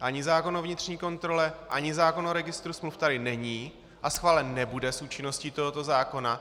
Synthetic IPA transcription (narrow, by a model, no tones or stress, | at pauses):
ʔaɲɪzaːko̞novɲɪt̪r̝̥ɲiːko̞nt̪ɾo̞lɛʔaɲɪzaːko̞noɾɛɡɪst̪ɾusmluft̪adɪnɛɲiː | ʔasxvaːlɛnːɛbudɛsuːt͡ʃɪno̞scit̪o̞ɦot̪o̞zaːko̞na